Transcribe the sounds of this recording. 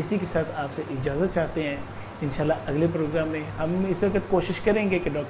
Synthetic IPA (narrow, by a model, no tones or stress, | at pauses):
ɪsikesaːt̪ʰaːpseʔɪd͡ʒaːzət̪̚t͡ʃaːɦt̪eɦɛ̃ː | ɪ̃nʃaːlːaɐɡlepɾoːɡɾaːmːẽɦɐmɪsʋɐkət̪koːʃɪʃkɐɾẽːŋɡekeɖɔːk